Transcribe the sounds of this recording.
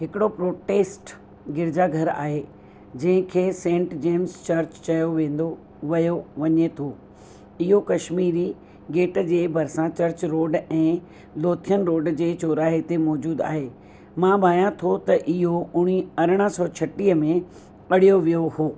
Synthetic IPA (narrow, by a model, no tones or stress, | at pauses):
ɦɪkɪɽopɾoːʈeːsʈ | ɡɪɾɪd͡ʑaɡʱɐɾa̰ːɦeː | d͡ʑɐ̃ɦɪ̃kʰeːsẽːɳʈd͡ʑeːmst͡ɕɐɾt͡ɕt͡ɕɐjoʋẽːn̆d̪o | ʋɐjoʋɐɲet̪ʰoː | ɪɦokɐʃmiːɾi | ɡeːʈd͡ʑeːbʱɐɾsãt͡ɕɐɾt͡ɕɾoːɖɛ̃ː | loːt̪ʰijənɾoːɖd͡ʑeːt͡ɕoːɾaːɦet̪emɔːd͡ʑuːd̪a̰ːɦeː | mãbʱaːjãt̪ʰot̪ɐʔɪɦoʊɽ̃iɐɾəɽ̃ə̆sɔːt͡ɕʰɐʈiɦəmẽ | ɐɽ̤ijoʋijohoː